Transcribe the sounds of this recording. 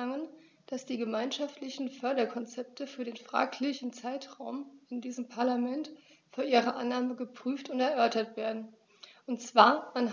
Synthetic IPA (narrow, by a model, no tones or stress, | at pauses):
aŋən | d̥asd̥iːɡəmaɪnʃaftʰlɪçn̩fœɐɾɐkʰɔnt͡sɛp̚tʰəfyːɐɾeːnfʁ̥a̰ːkʰlɪçɪn̩t͡saɪtʁ̥aʊmɪndiːzəmpʰaɐlamɛnt | fyːɐʔiːʁɐʔanːaːməɡəpʁ̥yːftʊntɛɐʔœɐtɐtv̥eːɐdn̩ | ʔʊntt͡sv̥aːɐʔan